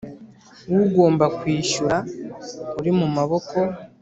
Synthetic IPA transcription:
wuɡo̞ːmbakwiːʃuɾa | uɾimumaβo̞kʰo̞

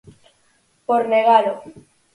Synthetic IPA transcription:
poɾneɣalo

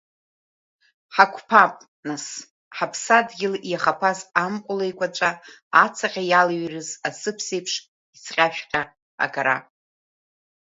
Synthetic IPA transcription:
ħakʷʰpʰapʼ | nas | ħapʰsadɡʲɪljaχapʰazamqʷʼʊlejkʷat͡ʃʷʼaː | t͡sʰaqʲʼajalɥrɨzasɨpʰse̞jpʰʂ | isʰqʲʼaʃᶣqʲʼa | a̰ɡʼaɾa̰

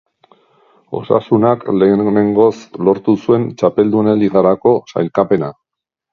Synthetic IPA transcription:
o̞̰sa̰sunakle̞neŋɡo̞slo̞ɾt̪usue̞nt͡ʃape̞ld̪uneliɣaɾako̞sa̰jlkape̞na

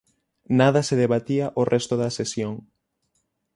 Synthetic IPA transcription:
naðɐseðeβat̪iaʔorɛst̪oðɐsesjoŋ

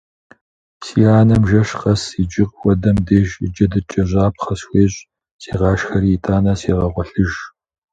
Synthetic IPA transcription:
siːaːnɐmʒɐɕqɐsid͡ʒɪqʼwɐdɐmdeːʒɪd͡ʒɐdɨt͡ʃʼɐʑʷaːp̚ʰχɐsxʷeːɕʼ | sʼiːʁɑːʃxɐɾiːtʰʼaːnɐsiːʁɐʁʷɔɬɨʒ

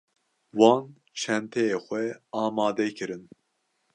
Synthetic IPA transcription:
wɑ̃ːn | t͡ʃʰɛnt̪ʰɛjeːxʷɛɑːmɑːd̪ɛkʰɨɾɨn

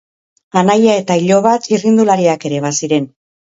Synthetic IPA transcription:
anajae̞t̪aiʎo̞β̞at̪irind̪ulaɾiake̞ɾe̞βasiɾe̞n

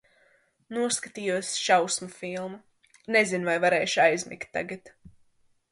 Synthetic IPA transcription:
nuɔskat̪iːjuɔsʲʃawsmafilˠmu | nezinvajvaɾɛːʃajzʲmḭkt̪ʲːa̰ɡat̪

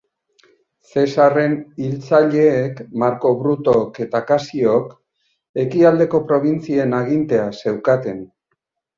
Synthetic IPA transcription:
se̞sare̞nilt͡saʎe̞ːkmaɾko̞βɾut̪oke̞t̪akasio̞k | e̞kiald̪e̞ko̞pɾo̞βint͡sie̞naɣint̪e̞ase̞wkat̪e̞n

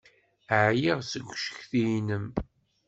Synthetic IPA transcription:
əʕjiʁsəɡʷːʃə̥çθijnəm

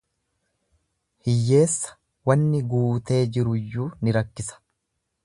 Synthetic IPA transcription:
hɪjːe̞ːsːɐ̥ | wɐnːɪɡuːt̪e̞ːd͡ʒɪɾʊjːuːnɪɾɐkːɪsɐ̥

